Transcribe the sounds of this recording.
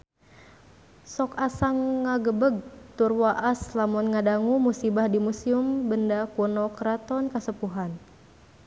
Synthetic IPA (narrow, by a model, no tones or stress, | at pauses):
sɔkasaŋːaɡəbəɡ̚t̪urwaʔaslamunŋadaŋumusibahdimusiumbəndakunɔkɾat̪ɔnkasəpuɦan